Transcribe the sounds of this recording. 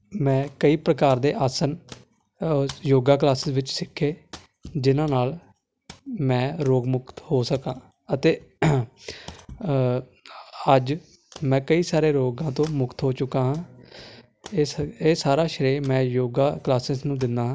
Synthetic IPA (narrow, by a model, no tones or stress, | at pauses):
mɛ̃ːkəiːpɾəkaːɾd̪eːʔaːsən | joːɡaːk̬laːsɪsʋɪt͡ʃsɪkʰːeː | d͡ʒɪnãːnaːl | mɛ̃ːɾoːɡmʊkt̪hoːsəkãː | ət̪eː | əd͡ʒ | mɛ̃ːkəiːsaːɾeːɾoːɡãːt̪õːmʊkt̪ɦoːt͡ʃʊkãːɦãː | eːsaːɾaːʃəɾeːmɛ̃ːjoːɡaːklaːsɪsnũːd̪ɪnd̪ãː